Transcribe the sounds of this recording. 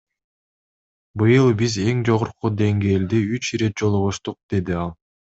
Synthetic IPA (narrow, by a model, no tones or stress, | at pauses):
bɯjɯlˠbize̞ŋd͡ʒo̞ʁuɾqud̪e̞ŋɡe̞ːld̪iyt͡ʃɾe̞t̪̚d͡ʒo̞lˠuʁuʃt̪uq̚d̪̥e̞d̪iɑlˠ